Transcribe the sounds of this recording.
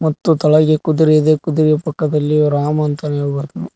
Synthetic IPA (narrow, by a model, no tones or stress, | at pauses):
mɐt̪ːut̪ɐɭɐɡekud̪uɾijɐd̪ekud̪uɾijɐpɐkːɐd̪ɐlːiɾaːmɐɐnt̪ɐnebɐɾt̪ɐnu